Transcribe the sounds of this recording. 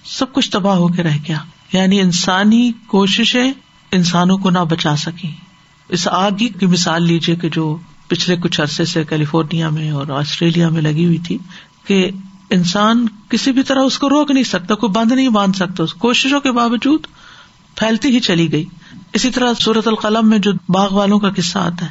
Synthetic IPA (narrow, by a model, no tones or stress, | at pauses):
sɐb̚kʊt͡ʃʰt̪ɐbaɦokeɾɛɦɡejaːjaːniɪnsaːnikoːʃɪʃẽ | ɪnsaːnõkonɐbɐt͡ʃaːsɐkĩ | ɪsaːɡikimɪsaːlːiːd͡ʒieked͡ʒoː | pɪt͡ʃʰlekʊt͡ʃʰɐɾsesekɛːlɪfoːɾnijamẽɔːɾaːsʈɾeːlijamẽlɐɡiɦʊit̪ʰiː | ke | ɪnsaːnkɪsibʱit̪ɐɾaʊskoɾoːknɐɦĩsɐk̚t̪akoibɐ̃nd̪nɐɦĩbãːnd̪sɐk̚t̪aʊskoːʃɪʃõkebaːʋəd͡ʒuːd̪ | pʰɛːlt̪iɦit͡ʃɐliɡɐiːɪsit̪ɐɾasuːɾət̪ʊlqɐləmːẽd͡ʒoːbaːɣʋaːlõkakɪsːaa̰ːt̪aɦɛ